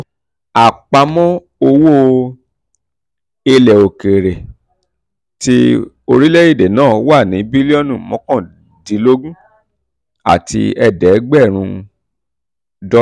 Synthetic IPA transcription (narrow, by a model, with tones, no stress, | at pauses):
a˨k͡pa˧mɔ̃˦ | o˧wo˦ | e˧lɛ˨o˨ke˨ɾe˨ | ti˧ | o˧ɾi˦le˦i˦˨de˨nãː˦˨˦wa˦˨nĩ˨˦bi˦li˦ɔ˦nũ˦˨mɔ̃˨˦kɔ̃˦˨ | dĩ˨˦lo˦ɡũ˦ | a̰˨tḭ˧ɛ˧dɛ˨˦ɡ͡bɛ˦˨ɾ̃ũ˧ | dɔ˦